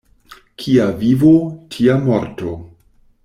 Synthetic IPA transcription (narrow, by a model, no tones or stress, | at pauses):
kʰiavivotʰiamoɾto